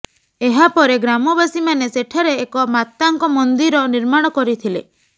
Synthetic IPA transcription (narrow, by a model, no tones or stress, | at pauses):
eɦapɔɾeɡɾamɔbasimaneseʈʰaɾeːkɔmat̪ːaŋkɔmɔnd̪iɾɔniɾmaɽ̃ɔkɔɾit̪ʰile